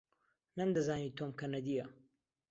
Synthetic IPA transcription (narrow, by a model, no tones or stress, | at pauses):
nɐmd̪ɐzaːniːt̪ʰoːmkɐnɐd̪ijɐ